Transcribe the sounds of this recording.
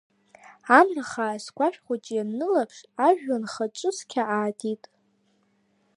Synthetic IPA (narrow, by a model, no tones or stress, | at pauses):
amraχasɡʷaʃᶣχʷat͡ʃʼjannɨlapʰʂaʒᶣːanχaʈ͡ʂʼɨskʲʰaʔaːtʰitʼ